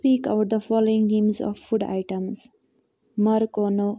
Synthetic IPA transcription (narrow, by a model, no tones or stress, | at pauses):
piːkaʊʈ̚d̪əfɔːloːɪ̃ŋɡẽːmzɔ̰ʋfʊɖa̰ɪʈə̃mz | mʌɾkoːnoː